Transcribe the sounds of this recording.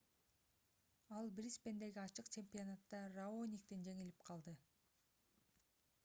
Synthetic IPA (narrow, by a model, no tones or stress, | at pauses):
ɑlˠbɾʲispe̞nd̪e̞ɡiɑt͡ʃɯqt͡ʃʰe̞mpʲionat̪ːɑraonʲik̚t̪end͡ʒe̞ŋilipqʰɑlˠd̪ɯ